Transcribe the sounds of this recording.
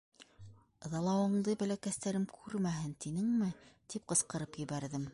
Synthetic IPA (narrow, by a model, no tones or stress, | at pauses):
ðɑlˠɑwɤ̆ɴd̪ɤbælækæst̪æɾɘmkʰʉɾmæɦɘnt̪inɘŋmɘt̪ip̚qɤ̆sqɤ̆ɾɤpjɘ̆βæɾðɘm